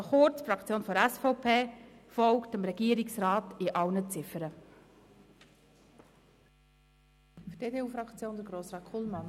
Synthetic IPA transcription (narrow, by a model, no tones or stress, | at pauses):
χʊt͡sfɾɑkt͡sjoːnfɔɾɛsfɔʊpʰeːfɔlktəmɾɛɡ̥iːəɾɪksrɑːtɪʔɑwnət͡sɪfəɾə | fd̥eːdeːuːfɾɑkt͡sjoːnd̥̪əɡɾoːsɾaːkʰulmɑn